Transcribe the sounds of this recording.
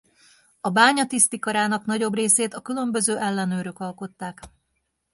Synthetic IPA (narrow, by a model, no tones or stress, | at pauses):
ɒbaːɲɒt̪ist̪ikɒɾaːnɒknɒɟo̞breːseːt̪ɒkylø̞mbø̞zøːʔɛlːɛnøːɾøkɒlko̞t̪ːaːk